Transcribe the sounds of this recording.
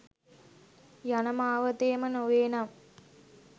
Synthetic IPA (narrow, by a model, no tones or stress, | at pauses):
janəmaːʋət̪eːmənoʋeːnam